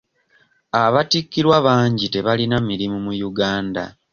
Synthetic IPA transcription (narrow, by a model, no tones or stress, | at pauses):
aβatikːiɾwaβaːɲɟite̞βalinamiɾimumujuɡaːnda̰